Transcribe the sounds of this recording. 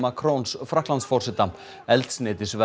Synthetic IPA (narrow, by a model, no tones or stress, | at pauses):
makʰɾonsfɾaktlant̪sfɔr̥sɪt̪a | ɛlt̪snɪːt̪ɪsvɛ